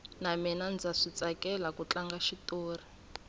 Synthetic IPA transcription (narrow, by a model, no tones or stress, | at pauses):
naminand͡zaʂit͡sakɛlakut͡ɬaŋɡaʃitoːri